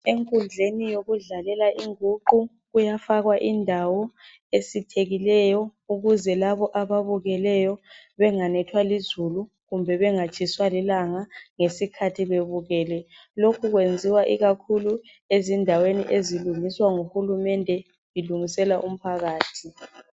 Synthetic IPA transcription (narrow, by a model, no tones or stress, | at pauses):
eŋkʼund͡ɮʱenijoɣuɮalɛlaʔiŋuǃu | ɣujafaɣwaʔindʱawɔ | esitʰeɣilɛjɔuɣuzɛlaβɔʔaβaβuɣɛlɛjɔβɛŋanɛtʰwalizulu | ɣumbʱɛβɛŋat͡ʃʼiswalilaŋaŋesikʰatʰiβeβuɣɛːlɛ | lokʰuɣwend͡zʱiwaʔiɣakʰulu | ezindʱawenḭʔeziluŋiswaŋuhulumɛndʱɛ | iluŋisɛlaʔum̩pʰaɣaːtʰi